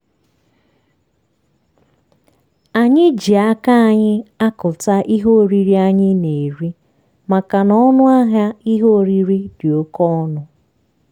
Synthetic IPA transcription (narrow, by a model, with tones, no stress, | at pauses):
a˨ɲɪ˦d͡ʒi˨a˦ka˦a˨ɲɪ˦a˦kʊ˨ta˦ʔi˦ɦo˦o˨ɾi˨ɾi˦a˦ɲɪ˦ne˨ɾi˦ | ma˨ka˨nɔ˦ɔ˦nʊ˦a˦ɦa˦i˦ɦo˦o˨ɾi˦ɾi˦dɪ˨o˦kɔ˦nʊ˦